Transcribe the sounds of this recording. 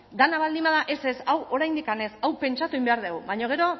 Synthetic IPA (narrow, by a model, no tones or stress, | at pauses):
d̪anaβald̪imbað̞aʔe̞se̞sawo̞ɾajnd̪ikane̞sawpe̞nt͡ʃat̪uimbe̞aɾð̞ewβaɲo̞ɣ̞e̞ɾo̞